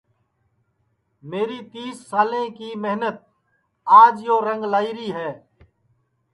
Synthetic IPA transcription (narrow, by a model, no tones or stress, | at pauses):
meːɾiːt̪iːssaːlẽːkiːmɛɦnət̪̚ | aːd͡ʒjoːɾəŋɡlaːiːɾiːɦɛː